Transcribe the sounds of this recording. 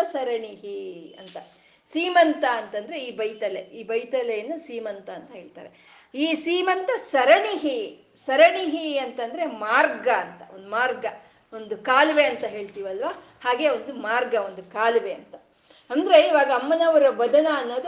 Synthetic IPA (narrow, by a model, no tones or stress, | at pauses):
ɐsɐɾɐɳiɦiɐ̰nt̪ɐ | siːmɐnt̪ɐːnt̪ɐnd̪ɐɾe̞iːbɐjt̪ɐleiːbɐjt̪ɐlejɐnːusiːmɐnt̪ɐːnt̪ɐɦe̞ːɭt̪a̰ːɾe̞ | iːsiːmɐnt̪ɐsɐɾɐɳiɦi | sɐɾɐɳiɦiɐnt̪ɐnd̪ɐɾe̞maːɾɡɐːnt̪ɐo̰nd̪umaːɾɡɐ | o̞nd̪ukaːlʋe̞ɐnt̪ɐɦe̞ːɭt̪iːʋɐlʋaː | haːɡe̞ːond̪umaːɾɡɐo̞nd̪ukaːlʋe̞ɐnt̪ɐ | ɐnd̪ɐɾe̞iːʋaːɡɐːmːɐnɐʋɐɾɐʋɐd̪ɐnɐːnːoːd̪u